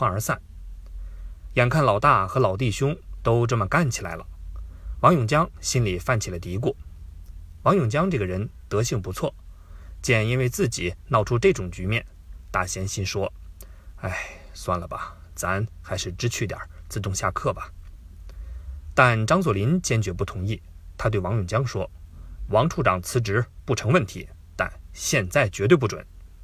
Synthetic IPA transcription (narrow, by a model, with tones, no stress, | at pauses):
xwa˥nə˞˧˥sa˥˩n | jɛ˨˩nkʰa˥˩nlɑ˨˩ʊt̪a˥˩xɤ˧˥lɑ˨˩ʊt̪̬i˥˩ɕjʊ˥ŋt̪o˥ʊʈ͡ʂɤ˥˩mə˩ka˥˩nt͡ɕʰi˨˩la̰˧˥ɪlə̰˧wɑ˧˥ŋjʊ˨˩ŋt͡ɕjɑ˥ŋɕi˥nli˨˩fa˥˩nt͡ɕʰi˨˩lə˦t̪i˧˥k̬wɔ˥˩ | wɑ˧˥ŋjʊ˨˩ŋt͡ɕjɑ˥ŋʈ͡ʂɤ˥˩ɡə˩ɻə˧˥nt̪ɤ˧˥ɕi˥˩ŋpu˧˥t͡sʰwɔ˥˩ | t͡ɕjɛ˥˩ni˥nwe˥˧ɪt͡sɹ̩˥˩t͡ɕi˨˩˦nɑ˥˧ʊʈ͡ʂʰu˥ʈ͡ʂɤ˥˩ʈ͡ʂʊ˨˩ŋt͡ɕy˧˥mjɛ˥˩n | t̪a̰˥˩ɕjɛ˧˥nɕi˥nʂwɔ˥ | a˥˩ɪ | swa˥˩nlə˩bɐ˩ | t͡sa˧˥nxa˧˥ɪʂɻ̩˥˩ʈ͡ʂɻ̩˥t͡ɕʰy˥˩t̪jɑ̰˨˩˦t͡sɹ̩˥˧t̪ʊ˥˧ŋɕja̰˥˧kʰɤ˥˩bɐ˩ | t̪a˥˧nʈ͡ʂɑ˥ŋswɔ˨˩li˧˥nt͡ɕjɛ˥nt͡ɕɥɛ˧˥pu˥˩t̪ʰʊ˧˥ŋi˥˩t̪ʰa˥t̪we˥˩ɪwɑ˧˥ŋjʊ˨˩ŋt͡ɕjɑ˥ŋʂwɔ˥wɑ˧˥ŋʈ͡ʂʰu˥˩ʈ͡ʂɑ˨˩ŋt͡sʰɹ̩˧˥ʈ͡ʂɻ̩˧˥pu˥˩ʈ͡ʂʰɤ˧˥ŋwə˥˩nt̪ʰḭ˧˥ | t̪a̰˥˧nɕjɛ˥˧nt͡sa˥˩ɪt͡ɕɥɛ˧˥t̪we˥˧pu˥˩ʈ͡ʂwə̰˨˩˦n